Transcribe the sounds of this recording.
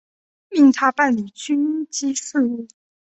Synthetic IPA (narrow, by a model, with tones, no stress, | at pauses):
i˥˩ŋt̪ʰa˥pa˥˩nli˨˩t͡ɕy˥nt͡ɕi˥sɹ̩˥˧u˥˩